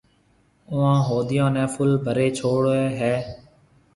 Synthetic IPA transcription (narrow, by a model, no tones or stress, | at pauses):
ʊãːɦoːd̪ɪjãːnɛ̃ːpʰʊlbʱəɾeːt͡ʃʰoːɽeːɦɛː